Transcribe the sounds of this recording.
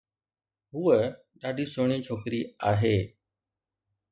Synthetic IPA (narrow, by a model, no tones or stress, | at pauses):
ɦʊːə | ɗaːɖʱisoːɳ̃it͡ʃʰoːkɾiaːɦeː